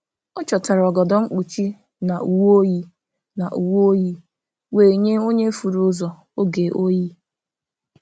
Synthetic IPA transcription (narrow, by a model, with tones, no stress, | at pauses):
ɔ˦t͡ʃɔ˨ta˨ɾɔ˨ɡɔ˨dɔ˨ŋ͡m̩˦k͡pu˨t͡ʃi˦ | na˨u˨wo˦ji˦ | na˨ʔu˨wo˦ji˦ | we˨ɲe˦o˦ɲe˦fu˨ɾu˦zɔ˨ | o˦ɡe˨ʔo˦ji˦